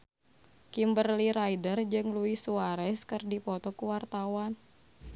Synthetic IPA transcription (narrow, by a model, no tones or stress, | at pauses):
kimbərliɾajdərd͡ʒɨŋluisuaɾɛskɨrdipɔt̪ɔkuwart̪awan